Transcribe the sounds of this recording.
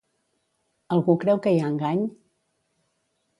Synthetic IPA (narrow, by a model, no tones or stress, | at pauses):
əlˠɣukɾɛwkəjaŋɡaɲ